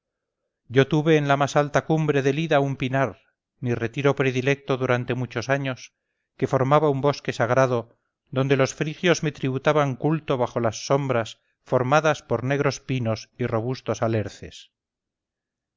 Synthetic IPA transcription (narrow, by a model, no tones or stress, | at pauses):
ɟ͡ʝo̞t̪uβe̞ːnlamasalt̪akumbɾe̞ðe̞liðaumpinaɾ | mire̞t̪iɾo̞pɾe̞ðile̞k̚t̪o̞ðuɾant̪e̞mut͡ʃo̞saɲo̞s | ke̞fo̞ɾmaβaumbo̞ske̞saɣɾaðo | ðo̞nd̪e̞lo̞sfɾixjo̞zme̞t̪ɾiβut̪aβaŋkult̪o̞βaχo̞lasːo̞mbɾas | fo̞ɾmaðaspo̞ɾne̞ɣɾo̞spino̞siro̞β̞ust̪o̞sale̞ɾθe̞̰s